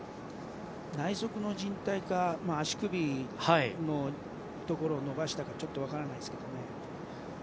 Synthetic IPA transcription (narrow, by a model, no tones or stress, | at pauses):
naiso̞kɯ̟no̞d͡ʑĩnt̪aikamaːɕi̥kɯ̟bʲihaino̞ | t̪o̞ko̞ɾo̞ːno̞baɕi̥t̪akat͡ɕo̞t̪ːo̞β̞akaɾanaisɨ̥ked̪o̞ne̞